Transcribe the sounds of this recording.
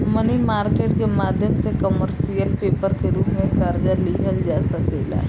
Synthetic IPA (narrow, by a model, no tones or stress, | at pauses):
mənimaɾkeʈkemad̪ʱjəmsekəməɾsijəlpepəɾkeɾuːpmekəɾd͡ʒaliɦəld͡ʒasəkela̰